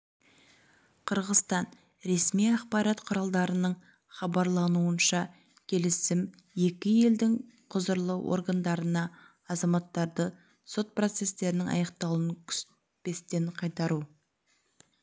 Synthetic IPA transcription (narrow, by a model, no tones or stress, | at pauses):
qʰəɾʁəst̪ɑn | ɾe̞smijɑqpɑɾɑt̪qʰʊɾɑlˠd̪ɑɾənəɴ | χɑbɑɾlˠɑnuənʃɑ | kʲʰe̞lɪsɪm | je̞kʲɪje̞ld̪ɪŋ | qʰʊzəɾlˠəwʔo̞̰ɾɡand̪ɑɾənɑː | zɑmɑt̪ːɑɾd̪ə | so̞t̪̚pro̞t̪se̞st̪e̞ɾɪnɪŋɑ̰jɑqt̪ɑlˠənkʲʰʏ̥s | pe̞st̪e̞ɴqʰɑjt̪ɑɾu